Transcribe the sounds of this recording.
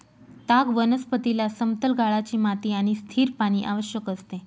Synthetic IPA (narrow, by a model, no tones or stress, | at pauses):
t̪aɡʋənəspət̪ilasəmt̪əlɡʱaɭat͡ɕiːmat̪iːaɽ̃ist̪ʰiːɾpaɽ̃iːʔaʋəɕjəkəst̪e